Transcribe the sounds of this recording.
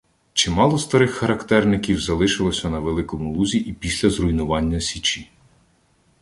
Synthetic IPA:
t͡ʃɪmɑlˠɔst̪ɐɾɪxːɐɾɐkt̪ɛrnɪkʲiwzɐlˠɪʃɪlˠɔsʲɐnɐʋelˠɪkɔmʊlˠuzʲiʔipʲisʲlʲɐzrʊjnʊʋɑnʲːɐsʲit͡ʃi

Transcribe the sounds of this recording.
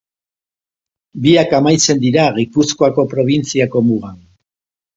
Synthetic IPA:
biakamajt͡se̞nd̪iɾaɣipusko̞ako̞pɾo̞β̞int͡siako̞muɣan

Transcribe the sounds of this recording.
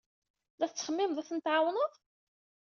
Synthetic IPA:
ðæθt͡sːχəmːɪmðˤæθənt̪ʕawnəðˤ

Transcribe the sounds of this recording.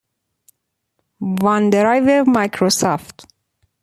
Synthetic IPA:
vɑnd̪eɾɑjveɾmɑjkʰɾosɔft̪

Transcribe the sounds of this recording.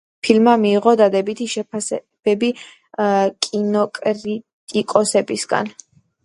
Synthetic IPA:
pʰilmamiːʁɔd̪ad̪ɛbit̪ʰiʃɛpʰasɛ | b̥ɛbi | kʼinɔkʼɾi | t̪ʼikʼɔsɛbisɡa̰n

